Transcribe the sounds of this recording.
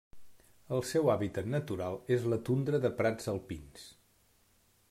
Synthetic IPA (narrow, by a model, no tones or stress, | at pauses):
əlˠsɛwaβit̪ət̪nət̪uɾalˠezlət̪und̪ɾəðəpɾad͡zəlˠpins